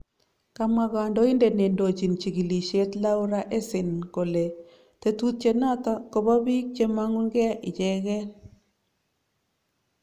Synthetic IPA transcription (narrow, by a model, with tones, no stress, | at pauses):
ka˦ma˨ɡa˨ndɔ˦ɪ˦nde˨ne˨ndo˨t͡ʃi˨nt͡ʃi˨ɡi˨li˨ʃe˦t̪la˦ʊ˦ɾa˦ʔe˦sɪ˨nko˨le˨ | t̪e˦tu˦t̪̚t͡ʃe˦na˦ta˦ko˨ba˦bi˦k̚t͡ʃe˦ma˦ŋu˦nɡɛ˦ʔɪ˨d͡ʒɛ˦ɣɛ˦